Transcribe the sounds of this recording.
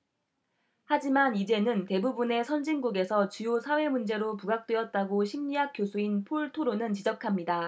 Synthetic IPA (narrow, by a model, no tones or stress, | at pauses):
had͡ʑimanid͡ʑe̞nɯnte̞bubune̞sʰʌnd͡ʑiŋɡuɡe̞sʰʌt͡ɕujosʰawe̞mund͡ʑe̞ɾopuɡak̚t͈we̞ʌt̚t͈aɡoɕʰimɲiɦak͈̚josʰuinpʰoɭtʰoɾonɯnt͡ɕid͡ʑʌkʰamɲida